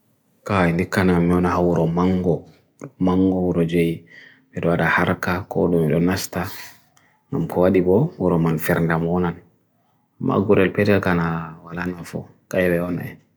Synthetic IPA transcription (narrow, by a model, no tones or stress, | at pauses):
kaɛndikːanamːiɔnaɦawuɾɔmaŋɡɔ | maŋɡɔwuɾɔd͡ʒej | mɛɗɔwaɗahaɾkakɔ̰ɗumiɗɔnasta | ŋɡamkʰɔwaɗibɔwuɾɔmanfɛɾndamɔnan | ma̰ɡuɾɛlpɛtɛlkanawalanafɔ̰ | kajwɛɔnɛ̰